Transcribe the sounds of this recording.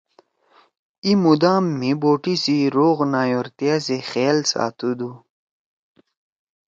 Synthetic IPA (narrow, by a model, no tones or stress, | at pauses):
imud̪aːmːiboːʈisiɾoːɣnaːjoɾt̪ijasexeːlsa̰ːt̪ud̪u